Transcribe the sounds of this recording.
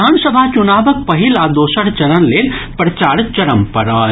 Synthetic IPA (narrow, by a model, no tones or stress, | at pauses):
aːnsəbʱat͡ʃʊnaːbək̚pɐɦilaːd̪oːʃəɾt͡ʃɐɾənleːlpɾɐt͡ʃaːɾt͡ʃɐɾəmpɐɾaː